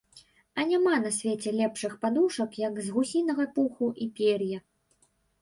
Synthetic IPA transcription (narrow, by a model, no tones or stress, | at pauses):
ɐnʲamanɐsʲvʲet͡sʲɛlʲɛpʂɨxpad̪uʂɐkjɐɡzɣusʲinɐɣɐpuxuʔipʲerjɐ